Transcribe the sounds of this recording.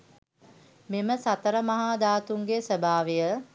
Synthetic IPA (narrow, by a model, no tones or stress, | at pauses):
meməsat̪əɾəmɐɦaːd̪aːt̪uŋɡesəbʱaːʋejə